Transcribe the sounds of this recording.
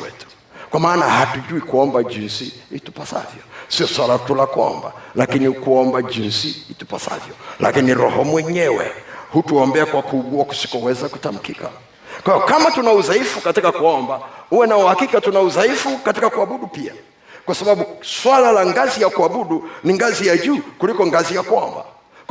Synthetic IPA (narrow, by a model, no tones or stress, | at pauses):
wɛtu̥ | kwamaːnahatuʄuikuɔmbaʄinsihitu̥pasa̰vjɔsiɔswalatulakuɔ̰mba̰lakinikuɔmbaʄinsihitu̥pasa̰vjɔlʔa̰kiniɾɔ̰hɔmwɛɲɛwɛ̰hutuɔmbɛakwakuːɡuaku̥si̥kɔwɛzaku̥tam̩kika̰ | kwahijɔkamatunauzaifukatikakuɔmbahuwɛnauhakikatunauzaifukatikakuaɓuɗupia̰ | kwasaɓaɓuswalalaŋɡazijakuaɓuɗuniŋɡazijaʄuːkulikɔŋɡazijakuɔ̰mba̰